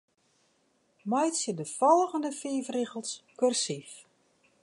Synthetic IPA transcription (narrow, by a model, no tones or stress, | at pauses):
majtsjədəfɔlˠɣəndəfiːvriɣəlˠskørsif